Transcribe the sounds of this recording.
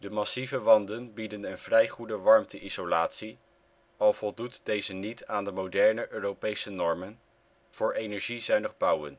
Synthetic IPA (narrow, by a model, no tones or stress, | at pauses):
dəmɑsivəʋɑndənbidənənv̥rɛjχudəʋɑɹmtʰəʔizolaːtsi | ɑlˠv̥ɔlˠdutdejzənitaːndəmowdɛɹnəʔøːrowpejsənɔɹmən | v̥ʊːɹejnɛɹʒizœɥnəχbʌwə̰n